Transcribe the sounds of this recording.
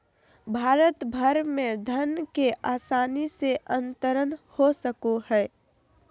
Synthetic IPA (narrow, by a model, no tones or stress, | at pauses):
bʱaːɾət̪bʱəɾmẽd̪ʱənkeʔaːsaːniseʔənt̪əɾənhosəkoɦɛː